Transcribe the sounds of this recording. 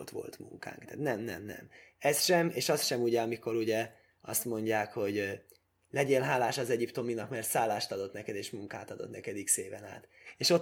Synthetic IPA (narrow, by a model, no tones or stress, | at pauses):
t̪ʋo̞̰lt̪mṵŋka̰ːŋkt̪a̰ːt̪nɛmnɛ̰mnɛ̰mɛsʃɛmeːʃɒst̪ʃɛmuɟɛɒmiko̞ɾuɟɛ | ɒst̪mo̞ɲɟaːkho̞ɟ | lɛɟeːnlɦaːlaːʃɒzɛɟipt̪o̞minɒkmɛrt̪saːlːaːʃt̪ɒd̪o̞t̪nɛkɛd̪eːʃmuŋkaːt̪ɒd̪o̞̰t̪nɛkɛd̪ikseːvɛna̰ːt̪ | eːʃo̞t